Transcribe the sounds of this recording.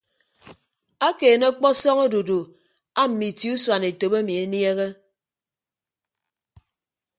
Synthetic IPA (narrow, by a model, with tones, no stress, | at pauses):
a˦keː˨ne˦k͡pɔ˦sɔ˦ŋo˦do˨do˨ | a˦m̩˨mi˨ti˨˦u˦swa˨ne˨to˨be˦mi˨e˨˦nje˦ɣe˦